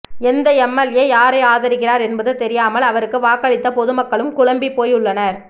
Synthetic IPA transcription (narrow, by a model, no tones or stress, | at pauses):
ɛnd̪ɐɛmːɐljeːjaːɾeːaːðɐɾɯkːɪɾaːɾɛnbɐðɯt̪ɛɾɪjaːmɐlɐʋɐɾɯkːɯʋaːkːɐɭɪt̪ːɐpɔðɯmɐkːɐɭɯmkʊɻɐmbipːoːjʊɭːɐnɐɾ